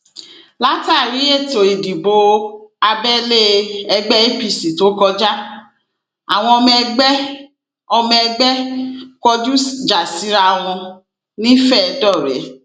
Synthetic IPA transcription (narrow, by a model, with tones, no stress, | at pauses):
la˦ta˦˨ɾi˨˦e˦˨to˨i˨di˨bo˧a˧bɛ˦le˦ɛ˧ɡ͡bɛ˦e˦pi˦˨si˨to˨˦kɔ˧d͡ʒa˦ | a̰˨w̃ɔ̃˧ɔ˧mɛ̃˧ɡ͡bɛ˦ | ɔ˧mɛ̃˧ɛ˧ɡ͡bɛ˦kɔ˧d͡ʒu˦sd͡ʒa˨si˨˦ɾa˧w̃ɔ̃˧ | nĩ˦fɛ˦˨˧dɔ˦˨ɾɛ̰˨˦